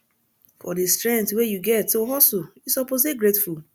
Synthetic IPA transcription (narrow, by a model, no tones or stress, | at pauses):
fɔ̰destɹɛ̃nktwejuɡɛtːoɦɔsojusɔpozeɡɹetful